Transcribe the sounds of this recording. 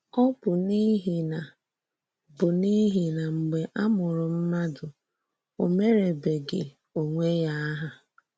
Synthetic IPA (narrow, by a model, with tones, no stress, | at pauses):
ɔ˦pʊ˨ni˦ɦi˨na˨ | bʊ˨ni˦ɦi˨na˨ŋ͡m̩˨ɡ͡be˨ʔa˦mʊ˨ɾʊ˨m̩˦ma˦dʊ˨ | o˨me˦ɾe˨be˨ɡḛ˨ | o˨ŋʷe˦ja˦a˦ɦa˨